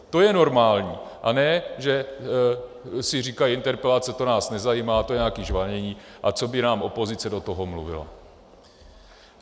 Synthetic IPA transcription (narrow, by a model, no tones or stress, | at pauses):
t̪o̞jɛno̞ɾmaːlɲiːʔanɛːʒɛ | sɪr̝iːkajɪnt̪ɛɾpɛlat͡sɛt̪o̞naːsnɛzajiːmaːt̪o̞jɛɲaːkiːʒvaɲɛɲiːʔat͡so̞bɪnaːmʔo̞po̞zɪt͡sɛdo̞t̪oɦomlṵvɪ̰la̰